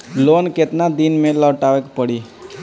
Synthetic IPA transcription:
loːnket̪nad̪inmẽlɔːʈaʋekpəɽi

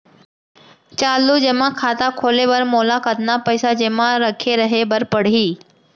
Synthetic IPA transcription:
t͡ɕaːlud͡ʑemãkʰaːt̪akʰoːlebəɾmoːlakət̪napəɪsad͡ʑeːmãɾɐkʰeɾɐɦebəɾpəɽ̤iː

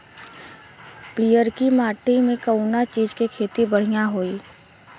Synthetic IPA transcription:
piːjəɾkimaːʈimẽkəunat͡ʃiːzkekʰeːt̪ibəɽ̤ijãɦoːiː

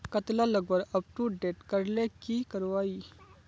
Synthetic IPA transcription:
kət̪laləɡbəɾɐp̚ʈuɖeːʈkəɾlekikəɾʋaːiː

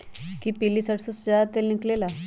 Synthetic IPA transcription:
kiːpilːisəʈsusd͡ʑaat̪ːelniklela

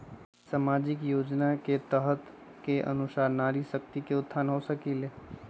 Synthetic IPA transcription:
saːmaːd͡ʒɪkjoːd͡ʒnaket̪əɦt̪ | keʔə̰nʊsaːɾnaːɾisək̚t̪ikeʊt̪ʰːaːnɦosəkile

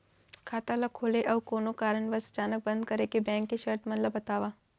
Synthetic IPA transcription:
kʰaːt̪alakʰoːleʔɐʋkoːnokaːɾəɳʋəsə̥t͡ʃaːnək̚bə̃nd̪̚kɐɾekebɛ̃ːŋkːiʃɐɾt̪mɐnləbɐt̪aːʋaː

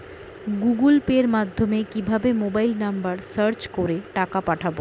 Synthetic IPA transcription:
ɡuɡulpeɾmad̪ʱːomekibʱabemobajlnambaɾsaɾt͡ɕkoɾeʈakapaʈʰabo

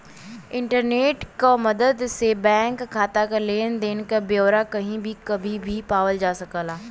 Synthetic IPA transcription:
ɪ̃ɳʈəɾneːʈkaməd̪əd̪sebɛ̃ːŋkʰːaːt̪akaleːnd̪eːnkabjoːɾakɐɦĩbʱikəbʱibʱipaːʋəld͡ʒaːsəkəlaː

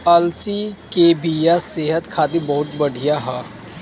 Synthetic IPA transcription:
əlsiːkeːbijaseːɦət̪kʰaːt̪ibɐɦʊt̪bəɽ̤ʱijaɦɛː

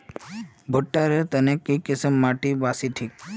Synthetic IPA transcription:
bʱʊʈːaɾet̪ənekːikɪsəmːaːʈibaːsiʈʰiːk̚

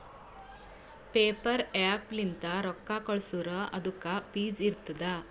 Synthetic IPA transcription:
pepəɾaplint̪aɾɔkːakɔɭsuɾəɐ̰d̪ukapiːd͡ziɾt̪d̪a

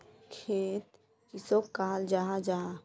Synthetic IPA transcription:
kʰeːt̪̚ | kisokaːld͡ʒaɦad͡ʒaɦa

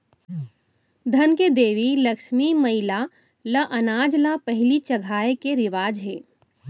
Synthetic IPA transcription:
d̪ʱɐnked̪eːʋilɐkʃmimɐɦɪla | ləʔɐnaːd͡ʒlapɐɦɪlit͡ʃɐɡʱaːekeɾɪʋaːd͡ʒɦeː

